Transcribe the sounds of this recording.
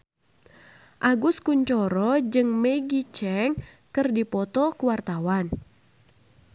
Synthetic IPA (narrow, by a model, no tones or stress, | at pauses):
ʔaɡʊskuɲt͡ʃɔɾɔd͡ʒɨŋmeɡit͡ʃɛŋ | kɨrdipɔt̪ɔkuwart̪awan